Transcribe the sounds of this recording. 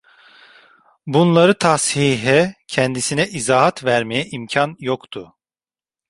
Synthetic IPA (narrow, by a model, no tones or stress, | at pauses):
bunlˠaɾɯt̪ʰashiɦɛcʰɛnd̪isinɛʔizaːɦat̪væɾmejɛʔimcʰanjokt̪ʰʊ